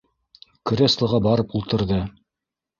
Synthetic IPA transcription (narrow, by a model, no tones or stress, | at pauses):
kɾʲeslˠɤ̆ʁɑbɑɾɤpulˠt̪ɤ̆ɾðɤ